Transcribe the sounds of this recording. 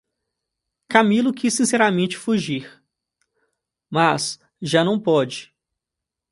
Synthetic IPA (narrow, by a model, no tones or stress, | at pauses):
kamilʊkisːĩsɛɾamẽnt͡ʃɪ̥fuʒiɾ | mas | ʒanɐ̃w̃pɔd͡ʒɪ